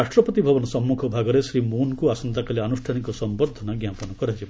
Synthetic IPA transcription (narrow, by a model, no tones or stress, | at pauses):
aʃʈɾɔpɔt̪ibʱɔbɔnɔsɔmːukʰɔbʱaɡɔɾesɾimunkuasɔnt̪akalianusʈʰanikɔsɔmbɔɾd̪ʱɔnaɡjapɔnɔkɔɾad͡ʒib